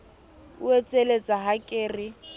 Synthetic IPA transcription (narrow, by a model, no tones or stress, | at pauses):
ʊet͡sʼelet͡sʼaɦakʼɪːrɪ